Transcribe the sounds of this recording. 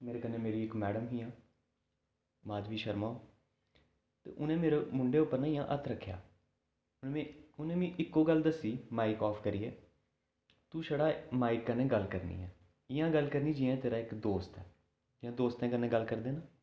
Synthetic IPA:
meːɾeːkənːẽːmeːɾiːɪkmɛːɽəmɦiːãː | maːd͡ʒ̪ʋiːʃəɾmãː | t̪ḛːʔʊnẽːmeːɾeːmʊɳɖeːʊpːəɾnaːɪjãːʔət̪ʰɾəkʰːja̰ː | ʊnẽʊnẽːmĩːʔɪkːoːɡəld̪əsːiːmaːɪkɔːfkəɾiːɛː | t̪uːʃəɽaːmaːɪkːənẽːɡəlkəɾnḭːɛː | ɪjãːɡəlkəɾniːd͡ʒɪːãːt̪eːɾaːɪkd̪oːst̪ɛː | d͡ʒɪjãːd̪oːst̪ɛ̃ːkənːẽːɡəlkəɾd̪eːnaː

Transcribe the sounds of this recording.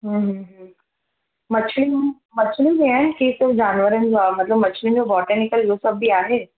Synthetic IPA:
ɦə̃ɦɦ | mɐt͡ʃʰli | mɐt͡ʃʰulibɛ̃ɳkisɪɾfd͡ʒaːnʋəɾə̃nd͡ʒoaːmɐt̪ləbmɐt͡ʃʰlĩnd͡ʒobɔːʈənɪkəljoːsɐbʱːiaːɦeː

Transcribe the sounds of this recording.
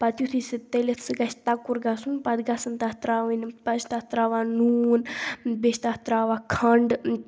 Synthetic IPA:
pɐt̪jut̪ʰisɨt̪elʲet̪ʰsɨɡɐʃʰt̪akuɾɡasunpɐd̪ɡasɨnt̪ɐht̪ɾaːʋinpɐt͡ʃt̪at̪ɾaːʋanuːnbeʃt̪at̪ɾaːʋakʰɐɳɖ

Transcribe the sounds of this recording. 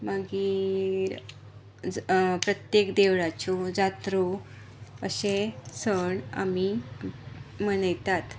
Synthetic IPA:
maɡiɾ | d͡zpɾət̪jekd̪eʋɭat͡ɕud͡zat̪ɾu | əɕesəɳa̰mi | mənəjt̪at̪

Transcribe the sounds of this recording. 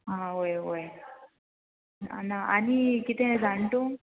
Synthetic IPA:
ɦãojoj | a̰naʔanikit̪ʰẽd͡zʱant̪o

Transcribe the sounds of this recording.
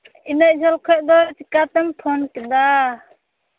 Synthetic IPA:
inaʔ̚d͡ʒalkʰɔʔ̚d̪ɔt͡ʃikat̪ɛmt̪ʰɔnkɛd̪a

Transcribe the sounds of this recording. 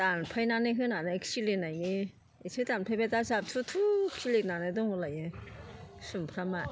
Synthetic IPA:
tanpʰajnanɯɦɯnanɯeksilenajnɯ | esʰɯtanpʰajbatasap̚tʰutʰuksilek̚nanɯdɔŋhɔlajɯ | sumpʰɾama

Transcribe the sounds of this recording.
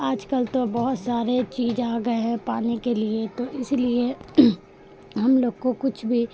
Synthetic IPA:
aːd͡ʒkəlt̪obɔɦʊt̪saːɾet͡ʃiːd͡ʒaːɡəeɦɛpaːnekeliet̪oʔɪslie | ɦɐmloːɡkokʊt͡ʃʰbʱi

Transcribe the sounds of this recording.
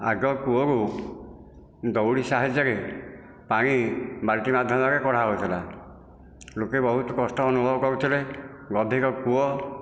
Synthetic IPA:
a̰ɡɔkuɔɾu | d̪ɔwɽisaɦad͡ʒɔɾe | paɽ̃ĩbaɾʈimad̪ʱjɔnɔɾekɔɽ̤aɦojt̪ʰila | lokebɔɦut̪ɔkɔsʈɔːnubʱɔbɔkɔɾut̪ʰile | ɡɔd̪ʱikɔkuɔ

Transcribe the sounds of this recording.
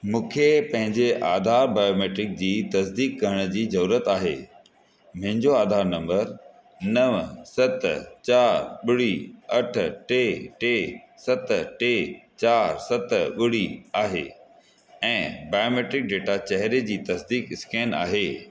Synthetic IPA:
mũːkʰepɐ̃ɦɪ̃ɲd͡ʑeʔaːd̪ʱaːɾbaːjoːmeːʈɾɪk̚d͡ʑiːt̪ɐsd̪iːkːɐɾəɽ̃ʊd͡ʑiːzɐɾuːɾət̪aːɦḛː | mɐ̃ɦɪ̃ɲd͡ʑoaːd̪ʱaːɾnɐ̃mbəɾ | nɐʋsɐt̪t͡ɕaːɾɓʊɽiɐʈʰʈeːʈeː | sɐt̪ʈeːt͡ɕaːɾsɐt̪ɓʊɽiaːɦḛː | ɛ̃ːbaːjoːmeːʈɾɪk̚ɖeːʈat͡ɕɐɦɾed͡ʑiːt̪ɐsd̪iːkɪskɛːna̰ːɦeː

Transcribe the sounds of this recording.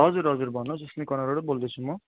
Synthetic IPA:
ɦʌd͡zuɾɦʌd͡zuɾbʱʌnod͡zʌslekʌnaɾoɽobold̪ʌt͡sʰumʌ

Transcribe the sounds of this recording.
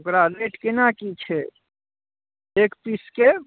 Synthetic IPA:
okɾaleʈkenakit͡ʃʰɛ | ekpiske

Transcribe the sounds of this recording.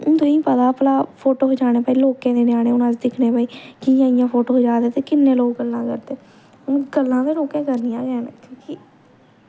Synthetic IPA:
ʊnt̪oĩːpəd̪aːpəlaːpʰoːʈoːɦoːd͡ʒaːɽ̃eːpaːiːloːkẽːd̪eːnjaːɽeːʊnãːd͡ʒd̪ɪkʰnẽːbaːiːkɪjãːɪjãːpʰoːʈoːɦoːd͡ʒaːd̪eːt̪eːkɪnːẽːloːɡɡəlːãːkəɾt̪eː | ʊnɡəlːãːd̪eːloːkẽːkəɾnijãːd͡ʒɛːnkõːkiː

